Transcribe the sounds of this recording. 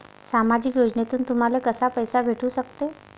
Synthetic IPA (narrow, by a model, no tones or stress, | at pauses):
samad͡ʑikjod͡ʑnet̪uːnt̪um̤alekəsapəjsabʱeʈuːsək̚t̪e